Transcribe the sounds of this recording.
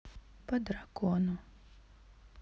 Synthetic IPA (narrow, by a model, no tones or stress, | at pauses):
pɐd̪ɾakɔnu